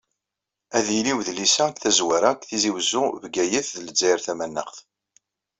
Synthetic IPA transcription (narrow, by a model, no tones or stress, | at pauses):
æðiliwðlisæθæzwæɾak̪θiziwəzːʊvɡæjəθðləd͡zːæjɾθæmænːə̰χθ